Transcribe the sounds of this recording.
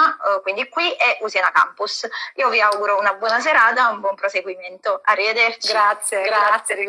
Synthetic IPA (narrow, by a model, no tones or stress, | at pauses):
akwind̪ikwiɛʔusjanaka̰mpusiːoviawɡuɾounabwɔːnas̬eɾaːt̪̬aumbwɔmpɾoseɡwiment̪oarːived̪ɛrt̪iɡɾat̪sjeɡɾaat̪sːjei